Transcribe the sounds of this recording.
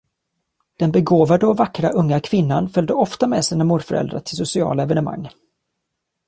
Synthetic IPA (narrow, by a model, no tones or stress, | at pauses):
d̪̥ɛnbɛɡoːvad̪əɔvakːɾaʔɵŋːakʰvɪnːanfœld̪əɔft̪amɛːsiːnamuːɖ̪fœɾɛ̰ld̪ɾa̰ʈʰɪlsʊsɪɑ̰ːlaɛvɛnɛma̰ŋː